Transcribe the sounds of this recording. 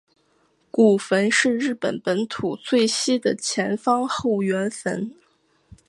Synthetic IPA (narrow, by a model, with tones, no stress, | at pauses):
ku˨˩fə˧˥nʂɻ̩˥˧ɻɻ̩˥˩pə̰˨˩npə˧˥nt̪ʰu˨˩t͡sʰwe˥˩ɪɕi˥d̪ə˨t͡ɕʰjɛ˧˥nfɑ˥ŋxo˥˩ʊɥɛ˧˥nfə̰˧˥n